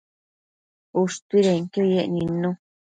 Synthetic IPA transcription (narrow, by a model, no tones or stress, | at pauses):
uʂt̪iɾeŋk̪ejeʔnĩnũ